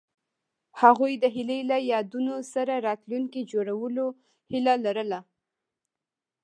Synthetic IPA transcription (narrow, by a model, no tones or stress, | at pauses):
haɣujd̪əɦɪlelajɑd̪unosaɾaɾɑt̪luŋkid͡ʒoɾawəlo | hɪlalaɾəla